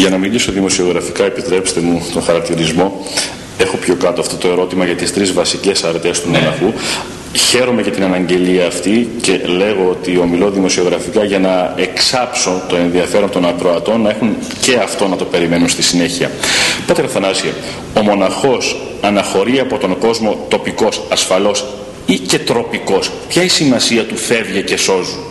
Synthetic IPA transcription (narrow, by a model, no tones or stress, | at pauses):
ʝɐnɐmilisoðimo̞sio̞ɣɾɐfikɐe̞pit̪ɾe̞pst̪e̞mut̪o̞xɐɾɐk̚t̪iɾizmo̞ | e̞xo̞pço̞kɐt̪oɐft̪o̞t̪o̞e̞ɾo̞t̪imɐʝɐt̪ist̪ɾizvɐsice̞sɐɾt̪est̪umo̞nɐxu | çe̞ɾo̞me̞cet̪inɐnɐɲɟe̞liɐːft̪ice̞le̞ɣo̞ot̪io̞milo̞ðimo̞sio̞ɣɾɐfikɐʝɐnɐe̞ksɐpso̞t̪oe̞nðiɐfe̞ɾo̞nt̪o̞nɐkɾo̞ɐt̪o̞nːɐe̞xun | ce̞ɐft̪o̞nɐt̪o̞pe̞ɾime̞nunst̪isine̞çiɐ̰pɐt̪ekɐθɐnɐsḛ | o̞mo̞nɐxo̞s | ɐnɐxo̞ɾiɐpo̞t̪o̞ŋɡo̞zmo̞t̪o̞piko̞sɐsfɐlo̞s | ice̞t̪ɾo̞piko̞s | pçɐisimɐsiɐt̪ufe̞vʝece̞so̞zu